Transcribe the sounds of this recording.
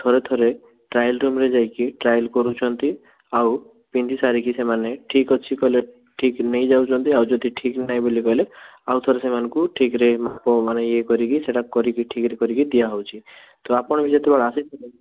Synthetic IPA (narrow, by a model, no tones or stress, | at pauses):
t̪ʰoɾet̪ʰɔɾe | ʈɾajlɾumɾed͡ʒajkiʈɾajlkɔɾut͡ʃʰɔnt̪i | aw | pind̪isaɾikisemaneʈʰikɔt͡ʃʰikɔɦile | ʈʰiknejd͡ʒawt͡ʃʰɔnt̪iawd͡ʒɔd̪ʱiʈʰiknajbolikɔɦileawt̪ʰoɾesemanɔkuʈʰikɾemapɔmanejekɔɾikiseʈakɔɾikiʈʰikɾekɔɾikid̪ijaɦɔwt͡ʃʰi | t̪ɔapɔɽ̃bʱiset̪ebaɽaːsit̪ʰɔt